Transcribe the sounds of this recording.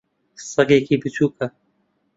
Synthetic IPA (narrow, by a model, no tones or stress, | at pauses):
sɐɡeːkiːbɨtʰuːkɐ